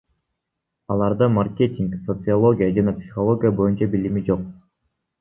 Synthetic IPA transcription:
ɑlˠɑɾd̪ɯmarkʲe̞tʲiŋksot̪sɨalˠo̞ɡʲijad͡ʒɑnɑpsʲi̥χolˠo̞ɡʲijabo̞junt͡ʃɑbilimid͡ʒo̞q̚

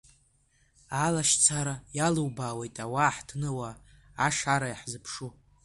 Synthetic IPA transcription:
alaʃt͡sʰaɾajaluwbaːwejtʼawaħtʰnɨwaː | ʂaɾajaħzɨpʰʂu

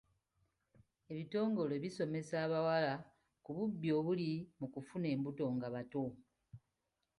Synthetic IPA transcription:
e̞βito̞ːŋɡo̞loβiso̞me̞saːβawala | kuβubːjo̞ːβulimukufune̞ːmbuto̞ŋɡaβato

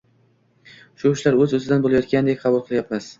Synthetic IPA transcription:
ʃʊʊʃlaɾɵzɵzɪd̪anbolajɒt̪kʲanɪd̪ek̚ʲqʰɑbʊlˠqʰɨlˠajapmas

